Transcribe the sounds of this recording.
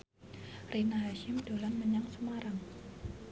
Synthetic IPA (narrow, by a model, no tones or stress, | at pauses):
rinaɦaʃɪmdo̤lanməɲaŋsəmaɾaŋ